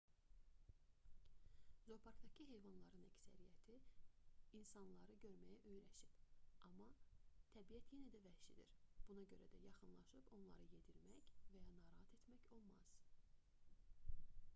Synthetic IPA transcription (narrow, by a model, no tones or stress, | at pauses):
zo̞pʰɑɾkt̪ɑcʰiɦe̞jvɑnlˠɑɾɯnæcsæ̰ɾijæt̪ʰi | insɑnlˠɑɾɯɟø̞ɾmæjæʔøjɾæʃipɑmːɑt̪ʰæbijæt̪ʰje̞næd̪ævæhʃḭd̪ḭɾb̥unɑɟø̞ɾæd̪æjɑχɯnlˠɑʃɯpo̞nlˠɑ̰ɾɯje̞d̪iɾmæçvæjɑnɑːɾɑɦɑt̪ʰe̞t̪mæço̞lˠmɑz̥